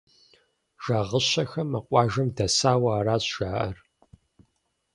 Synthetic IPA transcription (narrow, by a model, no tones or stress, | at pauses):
ʒ̥aːʁəɕɐxɐmɐqʷʼɑːʒɐmdɐsaːwɐaːɾaːɕʒ̥aːʔɐr